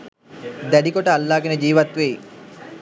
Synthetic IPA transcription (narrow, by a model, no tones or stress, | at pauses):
d̪æɖikoʈəalːaːɡenəd͡ʒiːʋat̪ʋej